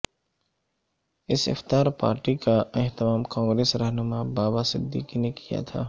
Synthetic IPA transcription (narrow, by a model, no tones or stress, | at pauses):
ɪsɪ̰ft̪aːɾpa̰ːɾʈikaɪɦt̪ɪmaːmkãːŋɡɾeːsɾəɦnʊmabaːbasɪd̪ʱːikinekija̰t̪ʰa̰ː